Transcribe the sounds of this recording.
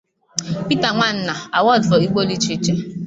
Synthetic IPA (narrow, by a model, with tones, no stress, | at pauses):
pi˦ta˨ŋʷa˦˨n̩˦na˨a˨wɔ˦˨dfɔ˨i˦ɡ͡bʷo˦li˦t͡ʃi˦t͡ʃe˦